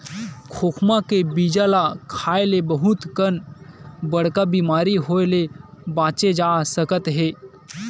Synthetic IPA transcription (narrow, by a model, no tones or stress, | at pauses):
kʰoːkʰmakebid͡ʒalakʰaːelebəɦut̪kənbəɽkabimaːɾiɦojlebãːt͡ʃed͡ʒasəkət̪ɦe